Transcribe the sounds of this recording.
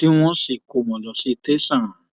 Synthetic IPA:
ti˦w̃ɔ̃˧˦si˨ko˨mɔ̃˨lɔ˨si˧te˦sã˦˨ɾã˨

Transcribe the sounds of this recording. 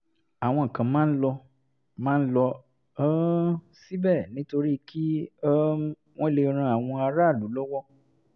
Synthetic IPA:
a˨w̃ɔ̃˧ŋ̩˨kã˨mãː˦n̩˦lɔ˧ | mãː˦n̩˦lɔ˧˦ | si˦bɛ˦˨nĩ˨˦to˧ɾi˦kʰi˦ | w̃ɔ̃˦i˦˨le˧ɾ̃ã˧˦a˨w̃ɔ̃˧a˧ɾa˦˨lu˨˦lɔ˦wɔ˦

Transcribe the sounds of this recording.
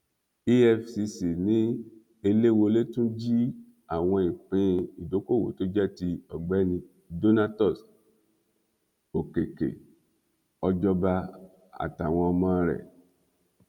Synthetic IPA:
i˦ɛ˧fsi˧si˨nĩ˨˦ | e˧le˦˨wo˧le˦tũ˦d͡ʒi˦ | a˨w̃ɔ̃˧ĩ˨k͡pĩ˧i˨do˨˦ko˦˨wo̰˨˦to˦d͡ʒɛ˦˨ti˧ɔ˨ɡ͡bɛ˨˦nĩ˧ | do˦na˦tɔ˦˨s | o˨ke˨kḛ˨ | ɔ˧d͡ʒɔ˦ba˧ | a̰˨ta˨w̃ɔ̃˧ɔ˧mã˧˦˧ɾɛ̰˨

